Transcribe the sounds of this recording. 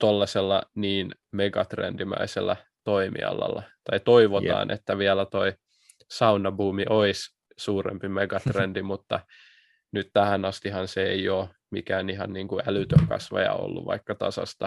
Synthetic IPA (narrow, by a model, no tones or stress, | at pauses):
t̪olːɑselːɑniːn | meɡɑt̪rḛndimæ̰isḛlːæ | t̪oimḭɑ̰lːɑ̰lːɑt̪ɑit̪oiʋoɑ̰ːnʔḛt̪ːæʋiælæt̪oi | sɑunɑbuːmiʔois | suːrḛmpimeɡɑt̪rendimut̪ːɑ | nyt̪t̪æhænɑst̪ihɑnseeioː | mikæːnihɑnniːŋkuælyt̪økɑsʋɑ̰jɑ̰o̰lːṵʋʋɑ̰ikːɑt̪ɑsɑ̰st̪ɑ